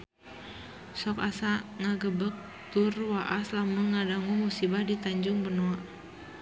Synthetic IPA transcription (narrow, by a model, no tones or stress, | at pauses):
sɔkasaŋaɡəbək̚ | t̪urwaʔaslamuŋadaŋumusibahdit̪aɲd͡ʒʊŋbənoa